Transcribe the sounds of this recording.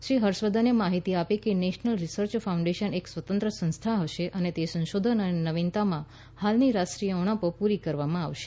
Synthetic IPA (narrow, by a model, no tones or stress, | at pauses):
ʃɾiɦəɾʃʋəd̪ʱənjəmaɦit̪iapekeneʃnəlɾisəɾt͡ʃfʰaũɳɖeʃəneksʋət̪ənt̪ɾəsə̃nst̪ʰaɦəʃeʔənet̪esə̃nʃod̪ʱənənenəʋint̪amã | halniɾasʈɾijəɔɽ̃əpopuɾikəɾʋamãaʋʃe̥